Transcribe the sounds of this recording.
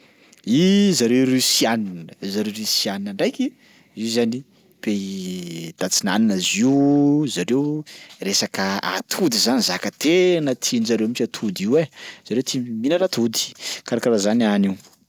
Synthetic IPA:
izaɾewɾesijaninzaɾewɾisianinaɳɖ͡ʐajki | zizani | pe | d̪̥at͡sina̰ninaziuzaɾewresakəa̰t̪ʰud̪izanizakət̪ʰenət̪ʰinizaɾewmit͡ʃat̪ʰud̪iwez̥aɾewt̪ʰiminəɾat̪ʰud̪i̥kaɾakaɾazanianiw

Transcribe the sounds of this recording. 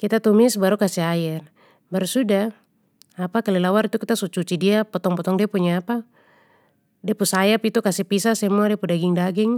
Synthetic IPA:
kit̪at̪umisbaɾukasɛaɛr | baɾusudaː | pakalilawaɾit̪ukit̪asut͡ʃut͡ʃidiapɔt̪ɔŋpɔt̪ɔŋdiapuɲaːpa | dɛpusajapit̪ukasɛpisasɛmuadɛapudaɡiŋdaɡiŋ

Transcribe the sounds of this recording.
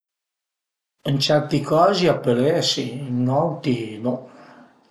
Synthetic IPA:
ənt͡ʃɛɾt̪ikɔːziapːəlɛsinɔwt̪ino

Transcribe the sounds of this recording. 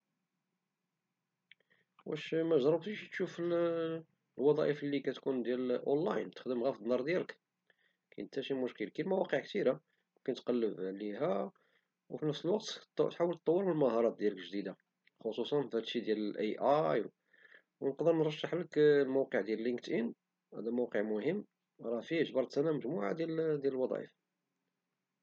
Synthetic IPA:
wæʃmæʒɾˤɑbt̪iʃt̪ʃufəl | lwɑd̪ˤɑʔəfəlːikæt̪kund̪jælʔo̰nlæ̰jnt̪ə̥xd̪əmɣæfd̪nɑɾˤd̪jælək | kæənt̪æʃimʊʃkəlkilmæwɑqəʕkt̪iɾa | wkænət̪qɑlːəbʕliɦæ | wfinəfsəlwɑq̚t̪t̪ħawəlt̪ˤːɑwːəɾməlməɦɑɾˤɑt̪̚d̪jæləkʒd̪id̪a | xosˤusˤɑnfhæt̪ʃid̪jæləlʔæjʔɑjw | wnəqd̪əɾnɾˤɑʃːəħləklmuwqəʕd̪jæləlːiŋkt̪ʔin | hæ̰d̪æmuwqəʕmʊhəmː | ɾˤɑfiʒbɑɾˤt̪sænæməʒmuʕa̰d̪jæld̪jæləlwɑd̪ˤɑ̰jə̰f

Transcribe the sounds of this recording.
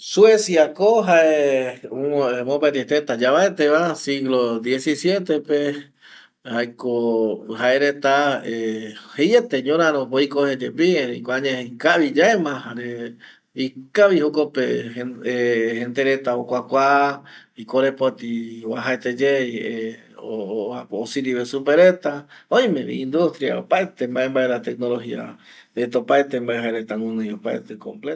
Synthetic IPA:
suesjakoɦae | emopet̪iet̪et̪ad͡ʒaβaet̪eβasiɣlod̪jesisjet̪epe | hajkohaeɾet̪aehejet̪eɲõɾãɾopoikohed͡ʒepieɾekoaɲẽkaβid͡ʒaemãhaɾe | ikaβihokopeeehend̪eɾet̪aokʷakʷa | ikoɾepot̪iwaɦaet̪ed͡ʒee | oaosiɾiβesupeɾet̪aõj̃mẽβḭind̪ust̪ɾia̰o̰paet̪embaʔembaeɾat̪ek̚nolohia̰ | ɾet̪opaet̪embaʔeɦaeɾet̪aŋũnɨ̃jopaet̪ekomplet̪

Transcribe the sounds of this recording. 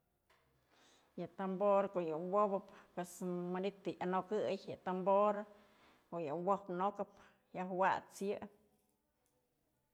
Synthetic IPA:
jɨt̪amboɾkoʔjɨwobɨpːwesmɨnit̪ɨʔanokɨjjɨt̪amboɾ | koʔjɨwohpnokɨp | jahwa̰t͡sjɨ

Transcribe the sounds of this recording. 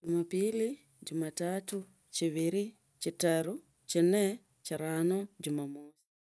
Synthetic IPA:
ɟumapiːli | ɟumatatu | ciβiɾi | citaɾu | cine | ciɾaːnoɟumamoːsi̥

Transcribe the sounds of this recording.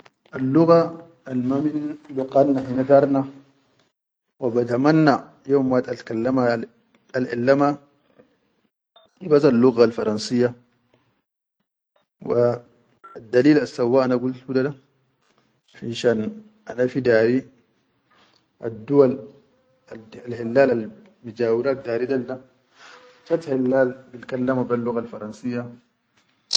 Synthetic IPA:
ʔalːʊɣa | ʔalmaminnluqanːahinat̪aɾna | wabat̪amanːa | jomwat̪ʼatkalːama | alʔa̰lːama | ibasalːuɣalfaɾansijːa | waː | d̪ːaliːlasːawːaʔanaɡult̪udada | fiʃan | ʔa̰nafid̪aːɾi | ʔad̪ːuwal | aalhilːaːlal | mud͡ʒaːwiɾaːt̪̚d̪aːɾidalda | tat̪hilːaːlbilkalːamabalːuɣalfɑɾˤɑnsijːa

